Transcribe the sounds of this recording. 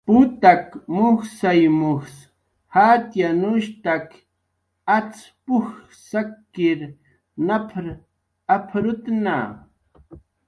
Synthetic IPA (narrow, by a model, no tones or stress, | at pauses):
pʊt̪akmʊxsajmʊxs | hat̪janʊʃt̪ak | at͡s | pʊx | sakːɪɾ | napʰɾ | apʰɾʊt̪na̰